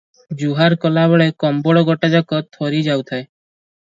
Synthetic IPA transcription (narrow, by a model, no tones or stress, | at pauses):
d͡ʒuɦaɾkɔlaβɔɭekɔmbɔɽɔɡɔʈad͡ʒakɔt̪ʰɔɾid͡ʒawt̪ʰae